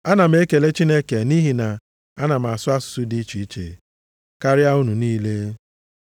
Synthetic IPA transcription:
a˦na˨m̩˦e˦ke˨le˦t͡ʃi˦ne˦ke˨ni˦ɦi˨na˨ | a˦na˨m̩˨a˨sʊ˦a˦sʊ̥˨su˦di˦t͡ʃi˨i˦t͡ʃḛ˨ | ka˦ɾja˦u˦nu˨niː˦le˦

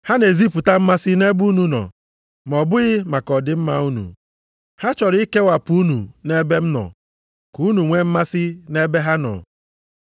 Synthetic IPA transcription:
ha˦ne˨zi˦pʊ˨ta˦m̩˦ma˦sɪ˦ne˦bu˦nu˨nɔ̰˨ | m˨ɔ˨bʊ˦ɣɪ˦ma˨kɔ˨dɪ˦m̩˦ma̰˦u˦nṵ˨ | ha˦t͡ʃɔ˨ɾi˦ke˦wa˨pu˦u˦nu˨ne˦be˦m̩˦nɔ̰˨ | ku˨˦nu˨ŋʷe˦m̩˦ma˦sɪ˦ne˦be˦ɦa˦nɔ̰˨

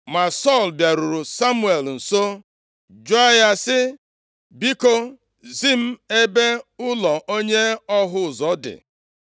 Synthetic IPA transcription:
ma˨sɔ˦˨lbja˨ɾu˨ɾu˨sa˦mu˦e˨ln̩˨so˦ | d͡ʒo˦a˦ja˦sɪ˦ | bi˦ko˦ | zi˦m̩˦e˦be˦ʊ˦lɔ˨ʔo˦ɲe˦ɔ˦ɦʊ˦˨zɔ˨˦dɪ̰˨

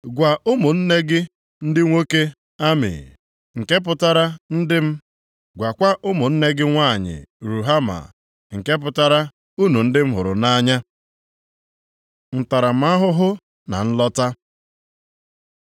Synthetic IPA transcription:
ɡʷa˨ʔʊ˦mʊ˨n̩˦ne˦ɡɪ˦ | n̩˦dɪ˦ŋʷo˦ke˦ | a˦mɪ̰˨ | ŋ̩˨ke˦p̬ʊ˨ta˦ɾa˦n̩˦dɪ˦m̩˦ | ɡʷa˨kʷa˦ʔʊ˦mʊ˨n̩˦ne˦ɡɪ˦ŋʷa˦˨ɲɪ̰˨ɾu˨ɦa˦ma̰˨ | ŋ̩˨ke˦p̬ʊ˦ta˦ɾa˦ | u˦nu˨n̩˦dɪ˦m̩˦ɦʊ̰˨ɾʊ̰˨na˦ɲa˦ | n̩˨ta˨ɾa˨m̩˨˦a˦ɦʊ˦ɦʊ˦ | na̰˨n̩˦lɔ˦ta˦

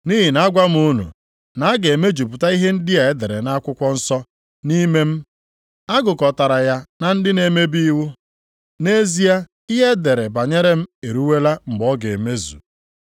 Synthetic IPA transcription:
ni˦ɦi˨na˦ɡʷa˦m̩˦u˦nṵ˨ | na˨˦ɡe˨e˨me˦d͡ʒu˨pu˨ta˦i˦ɦe˦n̩˦dɪ˦a˨e˦de˨ɾe˨na˦kʷʊ˦kʷɔ˦n̩˦sɔ˦ | ni˦me˦m̩˦ | a˦ɡʊ˨kɔ˨ta˨ɾa˨ja˦na˨n̩˦dɪ˦ne˨me˦bi˦wu˦ | ne˦zi˦a˦ | i˦ɦe˦de˨ɾe˨ba˨ɲe˦ɾe˦m̩˦e˨ɾu˦we˦la˦ŋ͡m̩˨ɡ͡bɔ˦ɡe˨e˨me˦zṵ˨

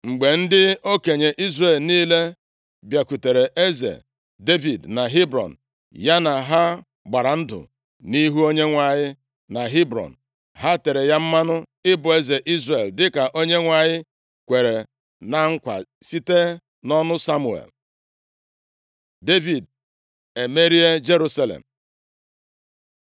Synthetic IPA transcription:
ŋ͡m̩˨ɡ͡be˨n̩˦dɪ˦o˦ke˨ɲe˨ʔi˦zre˨lniː˦le˦ | bja˨ku˨te˨ɾe˨ʔe˦zḛ˨ | de˦vi˨dna˨ɦi˦bɾɔ̰˨n̩˨ | ja˦na˨ɦa˦ | ɡ͡ba˨ɾa˨n̩˦dʊ̰˨ | ni˦ɦu˦o˦ɲe˦ŋʷa˨ɲɪ˦ | na˨ɦi˦bɾɔ̰˨n̩˨ | ɦa˦te˨ɾe˨ja˦m̩˦ma˦nʊ˦ɪ˦bʊ˨e˦ze˨ʔi˦zre˨ldɪ˦ka˨ʔo˦ɲe˦ŋʷa˨ɲɪ˦ | kʷe˨ɾe˨ | na˨ŋ̩˦kʷa̰˨si˦te˦ | nɔ˦nʊ˦sa˦mu˨ḛ˨l | de˦vi˨d̚ | e˨me˦ɾi˦e˦d͡ʒe˦ɾu˦sa˦lḛ˨m̩˨

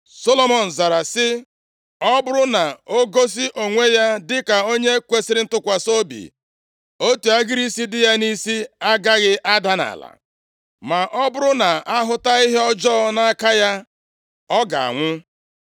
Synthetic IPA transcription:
so˦lo˦mɔ˨n̩˨za˨ɾa˨sɪ˦ | ɔ˦bʊ˦ɾʊ˦na˨o˦ɡo˦s̬i˦ʔo˨ŋʷe˦ja˦dɪ˦ka˨o˦ɲe˦kʷe˦si˦ɾɪ˦n̩˦tʊ˦kʷa˨so˦bḭ˨ | o˦tu˨a˦ɡɪ˦ɾi˦si˦dɪ˦ja˦ni˦si˦a˦ɡa˦ɣɪ˦ʔa˦da˦na̰˨la̰˨ | ma˨ʔɔ˦bʊ˦ɾʊ˦na˨a˦ɦʊ˦ta˦i˦ɦe˦ɔ˦d͡ʒɔ˦na˦ka˦ja˦ | ɔ˦ɡa̰˨a̰˨ŋʷʊ˦

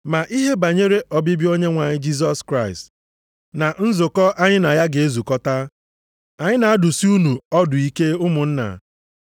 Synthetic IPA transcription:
ma˨ʔi˦ɦe˦ba˨ɲe˦ɾe˦ʔɔ˨bɪ˦bjo˦ɲe˦ŋʷa˨ɲɪ˦d͡ʒi˦s̬ɔ˦skɾa˦ɪ˨st | na˨n̩˦zʊ˨kɔ˦ʔa˦ɲɪ˦na˨ja˦ɡe˨e˦zu˨kɔ˦ta˦ | a˨ɲɪ˦na˨a˦dʊ˨si˦u˦nu˨ɔ˦dʊ˨i˦ke˦ʊ˦mʊ˨n̩˦na̰˨

